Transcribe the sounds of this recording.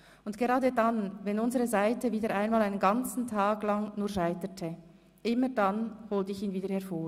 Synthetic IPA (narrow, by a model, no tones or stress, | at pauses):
ʊntɡ̥eʁaːdədanvɛnʊnzəʁəzaɪtəviːdəɾʔaɪnmaːlaɪnənɡant͡sn̩tʰaːɡlaŋnuːʃaɪtətʰə | ʔɪmədanhoːltəɪçiːnviːdəhɛɐfoː